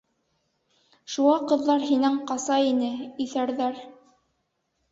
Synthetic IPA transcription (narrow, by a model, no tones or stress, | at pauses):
ʃuʁɑqɤ̆ðːɑɾɦinɘŋqɑsɑinɘiθæɾðæɾ